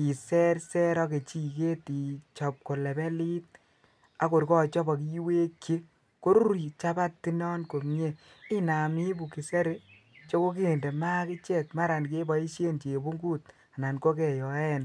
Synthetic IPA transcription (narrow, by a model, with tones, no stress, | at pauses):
i˨sɛ˦ɾsɛ˦ɾɔ˦ke˨t͡ʃi˦˨ke˦ti˨t͡ʃɔ˨p̚ko˨lɛ˨bɛ˦li˦t̚ | a˦ko˨ɾkɔ˦˨t͡ʃɔ˦ba˨ki˦ji˦we˦kʰːje˦ | ko˦ɾu˦ɾi˨t͡ʃa˦ba˦ttːi˦nɔ˦nko˨mɲe˦ | ɪ˦na˨mi˦bu˨ki˨se˦ɾe˦ | t͡ʃo˦ko˦ke˦˨nde˨ma˦kɪ˦t͡ʃe˦˨tma˦ɾa˨nk̬e˦ba˨i˦ʃje˦nt͡ʃe˨bu˦ŋɡu˦t̚ | a˨na˨nko˦kɛ˨jɔ˨ɛ˦n